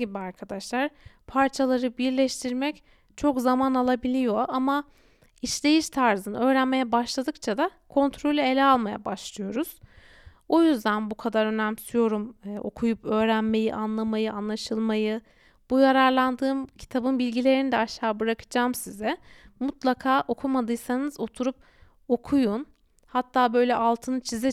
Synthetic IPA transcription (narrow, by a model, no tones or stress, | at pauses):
ibiaɾkʰad̪aʃlˠaɾpʰaɾt͡ʃʰalˠaɾɯbiɾlʲɛʃt̪ʰiɾmɛc | t͡ʃʰo̞kzamanalˠabilʲijo̞ʔama | iʃlʲe̞jiʃt̪ʰaɾzɯnɯø̞ːɾænme̞jɛbaʃlˠad̪ɯkt͡ʃʰad̪akʰo̞nt̪ʰɾo̞lʲye̞lʲɛalˠmaja̰baʃlˠɯjo̞ɾuz̥ | o̞jyzd̪ænbukʰad̪aɾø̞næmsyjo̞ɾumːʔo̞̰kʰujupø̞ːɾænme̞jiʔanlˠamajɯanlˠaʃɯlˠmajɯ | b̥ujaɾaɾlˠand̪ɯːmcʰi̥t̪ʰabɯnbilʲɟilʲe̞ɾinid̪ɛaʃːaːbɯɾakʰɯ̥d͡ʒaːmsizɛmut̪lˠakʰaːʔo̞kʰumad̪ɯjsanɯzo̞t̪ʰuɾup̚ | o̞kʰujun | hat̪ʰːaːbø̞jlʲɛʔalˠt̪ʰɯnɯt͡ʃʰizɛ